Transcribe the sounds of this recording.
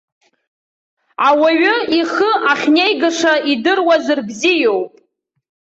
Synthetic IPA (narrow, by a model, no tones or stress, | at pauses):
awaɥʊiχəʔaχʲnejɡaʂaidɨrwazɨrbzijowpʼ